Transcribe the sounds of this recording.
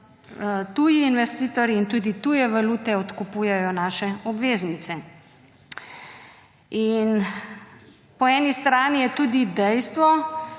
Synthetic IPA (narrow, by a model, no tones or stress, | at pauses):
t̪uːjiːnʋɛst̪iːt̪ɔɾjiːnt̪uːd̪it̪ujɛʋaluːt̪ɛɔt̪kupujɛjɔnaːʃɛɔbʋeːznit̪sɛ | in | pɔɛːnist̪ɾaːnijɛt̪uːd̪id̪ɛjst̪ʋɔ